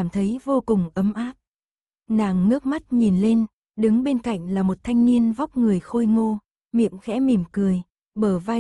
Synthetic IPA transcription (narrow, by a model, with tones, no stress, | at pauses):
aː˧˩mt̪ʰə˨˦jvo˧kʊ˨˩ŋ͡mʔə˨˦mʔaː˦˥p̚ | naː˨˩ŋːɨ˦˥ək̚ma˦˥t̚ɲi˨˩nle˧n | ɗɨ˨˦ŋɓe˧nka̰˧˨jŋ̟laː˨˩mo˨˩t̚t̪ʰa˧jŋ̟ni˧ənva˦˥wk͡p̚ŋɨ˨˩əjxo˧jŋo˧ | mḭ˧˨əmxɛ̰˧˥mi˨˩əmkɨ˨˩əj | ɓəː˧˩va˧